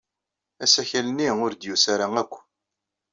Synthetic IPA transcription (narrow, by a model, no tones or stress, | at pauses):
æsæçælənːiʊɾd̪jusaɾaŋækʷː